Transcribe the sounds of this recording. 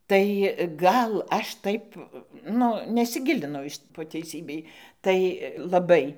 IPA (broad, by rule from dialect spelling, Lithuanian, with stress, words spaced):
tɐɪ ˈɡɐlˠ ˈɐʃ ˈtɐɪp ˈnʊ nʲɛsʲɪˈɡʲɪlʲɪnɐʊ poː tʲɛɪˈsʲiːbʲɛɪ tɐɪ lˠɐˈbɐɪ